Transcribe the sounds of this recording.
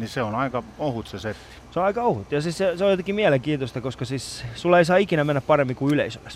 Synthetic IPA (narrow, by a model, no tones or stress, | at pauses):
niseonɑikɑohut̪seset̪ːi̥seoɑikɑohut̪ːjɑsisseseojot̪ekimiæleŋkiːnt̪ost̪ɑkoskɑsiːssulːɑeisɑːikinæmenːæppɑremːikuylḛisømæs